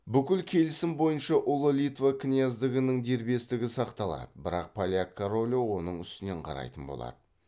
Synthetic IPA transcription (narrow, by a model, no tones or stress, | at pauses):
bʏkʲɪlkʲʰe̞lɪsɪmbo̞jənʃɑʔʊlˠəlʲit̪vakʲʰɪnijazd̪əɡʲɪnəŋd̪e̞ɾbe̞st̪ɪɡʲɪsɑqt̪ɑlˠɑ̰d̪əbɪɾɑ̰q̚pʰalʲjakʰːaɾolʲowo̞nəɴʏst̪ɪne̞ɴqʰɑ̰ɾɑ̰jt̪ənbo̞̰lˠɑ̰d̪̥ə